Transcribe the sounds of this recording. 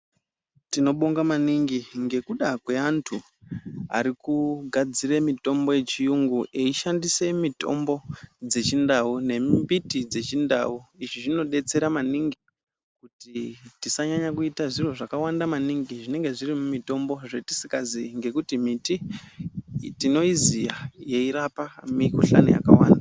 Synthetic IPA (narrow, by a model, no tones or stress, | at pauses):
tino̞ɓo̞ŋɡamaniŋɡiŋɡe̞kuɗakwe̞antʰu | a̰ɾikuɡʱad͡ziremito̞mbo̞je̞t͡ʃijuŋɡuʔeiʃandise̞mito̞̰mbo̞d͡ze̞t͡ʃindaune̞mmbitid͡ze̞t͡ʃinda̰uiʐiʐino̞ɗe̞t͡se̞ɾamaniŋɡi | kutitisaɲaɲakuitaʐiro̞ʐakawandamaniŋɡiʐine̞ŋɡe̞ʐirimumito̞mbo̞ʐe̞ti̥sikaziŋɡe̞kutimiti | tino̞izijaje̞iɾapamikuɬa̰nṵja̰ka̰wa̰ːnda